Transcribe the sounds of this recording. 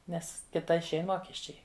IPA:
ˈnʲɛs ˈkʲɪtɐ ɪʃʲˈɛɪn ˈmoːkʲɛsʲt͡ʃʲɛɪ

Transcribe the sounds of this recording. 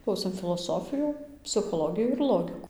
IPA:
ˈklˠɐʊsʲeːm fʲɪlˠoːˈsoːfʲɪjuː pʲsʲɪxoːˈlˠoːɡʲɪjuː ɪr ˈlˠoːɡʲɪkuː

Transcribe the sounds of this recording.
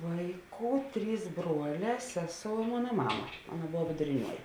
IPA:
ˈʋɐɪˌkuː ˈtʲrʲiːs ˈbruɔˌlʲɛː ˈsʲæːˌsoːʊ ɪ ˈmoːnɐ ˈmɑːmɐ ˈɑːnɐ ˈboːw ʋʲɪdʊrʲɪˈnʲuɔjɪ

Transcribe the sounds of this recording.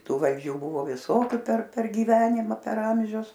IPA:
ˈtuː ʋɐlʲˈd͡ʒʲuː ˈbuːʋoː ʋʲɪˈsoːkʲʊ pʲɛr pʲɛr ɡʲiːˈʋʲæːnʲɪmɐ pʲɛr ˈɐmʲʒʲʊs

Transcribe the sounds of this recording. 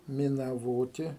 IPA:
mʲɪnɐˈʋoːtʲɪ

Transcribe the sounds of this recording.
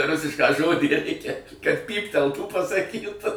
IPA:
ˈrʊsʲɪʃkɑː ˈʒoːdʲiː ˈrʲɛɪkʲɛ kɐt ˈpʲiːpʲtʲɛlˠtuː pɐsɐˈkʲiːt

